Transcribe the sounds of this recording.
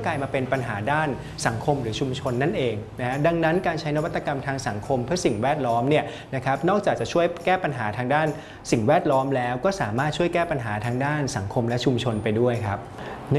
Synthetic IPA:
klaː˧jmaː˧pe˧npa˧nɦaː˩˦daː˥˩n | sa˩˦ŋkʰo˧mɾɯː˩˦t͡ɕʰu˧mt͡ɕʰo˧nːa˥˩nʔeː˧ŋna˦˥kʰa˦˥da˧ŋna˦˥nkaː˧nt͡ɕʰa˦˥jna˦˥wt̪ːa˧ka˧mt̪ʰaː˧ŋsa˩˦ŋkʰo˧mpʰɯ˥˩ɐsi˨˩ŋwɛː˥˩t̪̚lɔː˦˥mni˥˩ɐ | na˦˥kʰa˦˥p̚nɔː˥˩k̚t͡ɕaː˨˩k̚t͡ɕa˨˩t͡ɕʰu˥˩əjkɛː˥˩pa˧nɦaː˩˦t̪ʰaː˧ŋdaː˥˩n | si˨˩ŋwɛː˥˩t̪̚lɔː˦˥mlɛː˦˥wkɔː˥˩saː˩˦maː˥˩t̪̚t͡ɕʰu˥˩əjkɛː˥˩pa˧nɦaː˩˦t̪ʰaː˧ŋdaː˥˩nsa˩˦ŋkʰo˧mlɛ˦˥t͡ɕʰu˧mt͡ɕʰo˧npa˧jdu˥˩əjkʰa˦˥p̚

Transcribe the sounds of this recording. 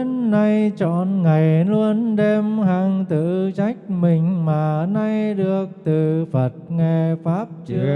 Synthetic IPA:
nːa˧jt͡ɕɔ̰˧˨nŋa˨˩jlu˧ənɗe˧mɦa˨˧˩ŋt̪ɨ̰˧˨t͡ɕa˦˥jk̟̚mï˨˩ŋ̟maː˨˩na˧jɗɨ˨˩ək̚t̪ɨ˨˩fə˨˩t̚ŋɛ˧˩faː˦˥p̚t͡ɕɨ˦

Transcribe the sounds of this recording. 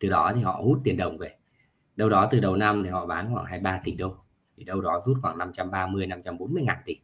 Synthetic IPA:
t̪ɨ˨˩ɗɔ˨˦t̪ʰi˨˩ɦɔ̰˧˨hu˦˥t̚t̪i˨˩ənɗə˨˩wŋ͡mve˧˩ | ɗə˧wɗɔ˨˦t̪ɨ˨˩ɗə˨˩wna˧mt̪ʰi˨˩hɔ̰˧˨ɓaː˨˦nxwaː˧˩ŋɦaː˧jɓaː˧t̪i˨˩ɗə˧w | t̪ʰi˨˩ɗə˧wɗɔ˨˦zu˦˥t̚xwaː˧˩ŋna˧mt͡ɕa˧mɓaː˧mɨ˧əjna˧mt͡ɕa˧mɓo˨˦nmɨ˧əjŋaː˨˩nt̪i˨˩

